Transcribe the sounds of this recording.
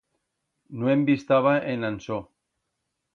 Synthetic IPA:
noembist̪aβ̞aʔenanso

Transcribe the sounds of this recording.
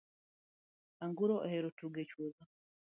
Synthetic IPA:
aŋɡuɾoʔeheɾotuɡecwuɡa

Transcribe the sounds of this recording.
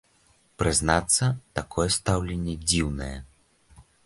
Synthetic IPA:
pɾɨznat̪sːɐt̪akɔjɛst̪awlʲenʲːɛd͡zʲiwnɐjɛ

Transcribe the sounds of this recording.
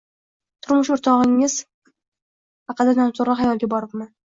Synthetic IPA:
t̪ʰʊɾmʊʃʊɾt̪ʰɒʁɪŋːɪz̥ | hɑqɑd̪ad̪amt̪ʰʊɾlˠɑajɒlˠɡʲabɒɾɪp̚man

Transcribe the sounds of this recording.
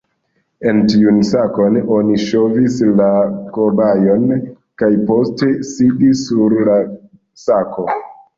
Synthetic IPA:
e̞ntiunsako̞no̞niʃo̞vislakobajo̞n | kajpo̞ste̞sidisːuɾla | sako̞

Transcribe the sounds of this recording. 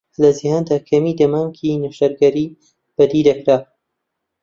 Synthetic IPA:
lɐzihaːnd̪aːkʰɐmiːd̪ɐmaːŋkʰinuʃɐɾɡɐɾiː | b̥ɐd̪iːd̪ɐkɾaː

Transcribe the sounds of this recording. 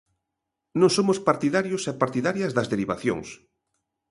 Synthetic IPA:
nõŋsomʊspaɾt̪iðaɾjosɛpaɾt̪iðaɾjɐzðɐzðeɾiβaθjo̰ŋs

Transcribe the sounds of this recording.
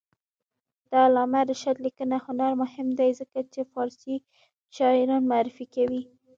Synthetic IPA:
d̪̥ɑlɑmaɾaʃad̪likənahʊnaɾmʊhɪmd̪ajzəkat͡ʃefɑɾsi | t͡ʃɑjɾɑnmaaɾɪfikawi

